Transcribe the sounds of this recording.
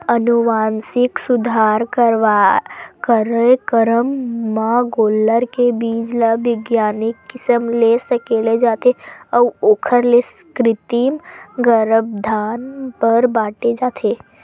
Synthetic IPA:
ənuʋansiksud̪ʱaɾkəɾʋakəɾəjkəɾəmːãɡolːəɾkebid͡ʒlaʋiɡjanikːɪsəmlesəkeled͡ʒat̪ʰeəʋokʰəɾleskɾɪt̪imɡəɾəbd̪ʱanpəɾbaʈed͡ʒat̪ʰe

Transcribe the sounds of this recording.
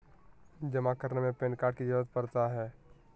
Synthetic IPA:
d͡ʒɐmakəɾnemẽpeːnkaːɾʈ̚kid͡ʒəət̪̚pɐɾt̪aɦɛː

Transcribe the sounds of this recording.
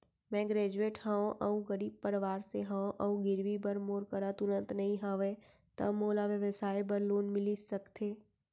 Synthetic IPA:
mɛ̃ːɡɾeːd͡ʒueːʈhaõʔɐuɡəɾiːb̚pəɾʋaːɾseɦãõʔɐuɡɪɾʋibəɾmoːɾkəɾat̪ʊɾə̃nt̪nɐɦĩɦaʋe | t̪ɐ̰bmoːlaʋjeʋəsaːebəɾloːnmɪlisəkt̪ʰeː

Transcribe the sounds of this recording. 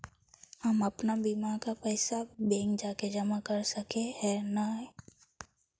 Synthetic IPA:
hɐmɐpnabimaɾkapɛɪsabeːŋɡd͡ʒaːked͡ʒɐmakɐɾsɐkehɛnaɦɛ

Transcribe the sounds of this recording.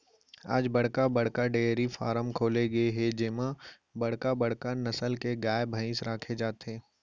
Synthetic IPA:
a̰ːd͡ʒbɐɽ̤kabɐɽ̤kaɖeːɾifa̰ːɾəmkʰoːleɡɐeɦed͡ʒɪmã | bɐɽ̤kabɐɽ̤kanɐsəlkeɡaːjbʱə̃ɪ̃sɾaːkʰed͡ʒaːt̪ẽː

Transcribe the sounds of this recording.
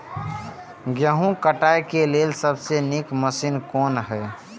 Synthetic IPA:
ɡjəɦũkəʈajkelelsəbsenikməsinkoːnɦɛ

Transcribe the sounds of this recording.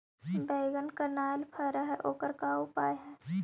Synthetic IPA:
beːɡənkənaːlpʰəɾəɦɛʔoːkəɾkaːupaːjɦɛ̃ː

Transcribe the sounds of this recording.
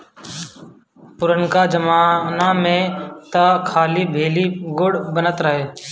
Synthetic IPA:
pʊɾənkaːd͡ʒəmaːnaːmẽːt̪aːkʰaːliːbʱeːliːɡʊɽbənət̪ɾəɦeː

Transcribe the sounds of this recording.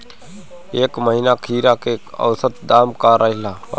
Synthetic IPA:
eːkməɦiːnakʰiːɾakekə̰ʋsət̪d̪aːmkaɾəɦilaː

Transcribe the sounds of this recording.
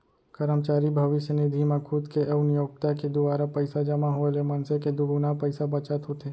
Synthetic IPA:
kəɾəmt͡ʃaːɾibʱɐʋisənɪd̪ʱimãkʰud̪keʔɐʋnɪjoːk̚t̪aked̪ʊbaːɾapəɪsad͡ʒɐmaɦoelemɐnseked̪ʊɡʊnapəɪsabɐt͡ʃat̪ɦot̪eː

